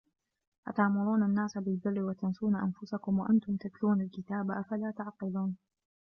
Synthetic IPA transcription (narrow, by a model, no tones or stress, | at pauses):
ʔat̪aʔmʊɾˤuːnanːaːsabɪlbɪrːɪwat̪ansuːnaʔa̰nfʊsakʊmwaʔant̪ʊmt̪at̪luːnalkɪt̪aːbaʔafalaːt̪aʕqɨluːn